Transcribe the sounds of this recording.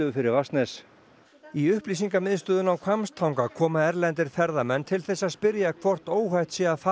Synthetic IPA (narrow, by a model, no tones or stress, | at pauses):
ʏʏfɪɾɪɾvast̪nɛs | iʏhpliːsiŋkamɪðst̪ʏːðʏnawkʰvamst̪ʰawŋkakʰɔːmaɛɾlɛnt̪ɪɾ̥θɛɾðamɛnːt̪ʰɪlθɛsːaðspɪɾjakʰvɔr̥t̪oːwɦajht̪sjɛaθa